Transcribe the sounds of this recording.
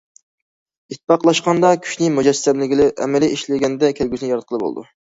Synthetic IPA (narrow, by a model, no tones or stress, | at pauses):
it̪̚ʰːpɑqlˠɑʃqɑnd̪ɑkʲʰy̥ʃnɪmud͡ʒɛsːɛmlɪɡʲilɪʔɛ̰mɛlɪʔiʃlɪɡʲɛnd̪ɛkʲʰelɡʲysɪnɪjɑɾɑt̪̚qʰəlˠbo̰lˠɨ̰d̪ṵ